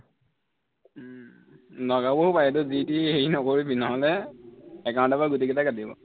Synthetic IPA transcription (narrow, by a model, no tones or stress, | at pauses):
nɔɡaboɦupajɛtʊzitieinɔkoɹibinaɦɔlɛ | ɛkãndabaɡut̬ikɛtakadibɔ̰